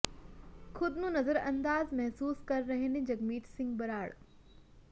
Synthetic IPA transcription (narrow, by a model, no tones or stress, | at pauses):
xʰʊd̪nũnɐzəɾɐ̃nd̪aːzmɐɦsuːskɐɾːɐɦenẽd͡ʑɐɡmiːʈsɪ̃ŋɡbɐɾaːɽ